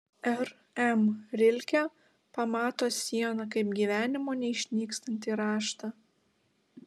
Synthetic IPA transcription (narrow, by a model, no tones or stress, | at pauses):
ɛɾ | ɛmɾʲɪlʲkʲæ | pɐmɑːt̪oːsʲiɛnɐkɐɪpɡʲiʋʲæːnʲɪmoːnʲɛɪʃʲnʲiːkst̪ɐnʲt̪ʲiːɾɑːʃt̪ɑ